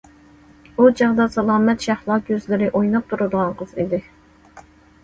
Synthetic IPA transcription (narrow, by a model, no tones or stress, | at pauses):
ud͡ʒɑʁd̪ɑsɑlˠɑːmɛt̪ʃɑhlˠɑɡʲøzlɪɾɪʔojnɑp̚t̪ʰuɾɨd̪əʁɑŋqʰəz̥id̪ɪ